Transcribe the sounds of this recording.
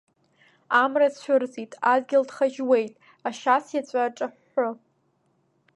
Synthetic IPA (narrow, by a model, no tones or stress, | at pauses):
amrat͡ɕʷʰʊrzitʼadɡʲɪldχaʒwejtʼ | aʃasjat͡ɕʷʼaʈ͡ʂʼaħːʊ